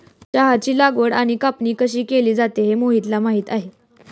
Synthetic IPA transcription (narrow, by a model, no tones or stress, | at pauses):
t͡ɕaɦat͡ɕiːlaɡʋəɽaɽ̃ikapniːkəɕiːkeliːd͡zat̪eɦemoɦiːt̪lamaɦiːt̪aɦe